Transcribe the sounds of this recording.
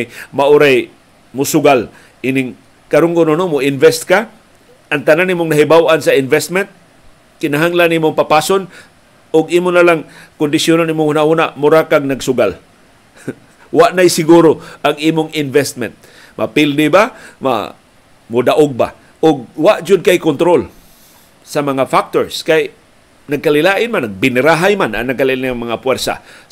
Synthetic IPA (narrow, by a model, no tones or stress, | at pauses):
jmaʔʊɾaj | mʊsʊɡal | ʔinɪŋ | kaɾʊŋkʊnonomʊɪnvɛst̪̚ka | ʔaŋt̪ananːiːmʊŋnaɦɪbawʔansaɪnvɛst̪̚mɛnt̪̚ | kɪnaɦaŋlaniːmʊŋpapaːson | ʊɡiːmʊnalaŋ | kʊnd̪ɪsjʊnaniːmʊŋhunahunaʔmʊɾakaɡ̚naɡsʊɡal | waʔnajsɪɡuɾoaŋiːmʊŋɪnvɛst̪̚mɛ̰nt̪̚ | mʔapɪld̪ɪbama̰ | mʊd̪aʔʊɡ̚ba̰ | ʔʊɡ̚waʔd͡ʒʊd̪̚kajkʊnt̪ɾol | samɐŋafak̚t̪oɹskaj | naɡ̚kalɪlaːʔɪnmanːaɡ̚bɪnɾaɦajmana̰naɡkalɪɪaŋmaŋapwɛɾsa̰